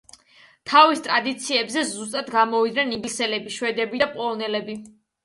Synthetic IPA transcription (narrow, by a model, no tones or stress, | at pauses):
t̪ʰavist̪ʼɾad̪it̪sʰiɛbzɛzus̬t̪ʼad̪ɡamɔvid̪nɛniɡlisɛlɛbiʃwɛd̪ɛbid̪apʼɔlɔnɛlɛbi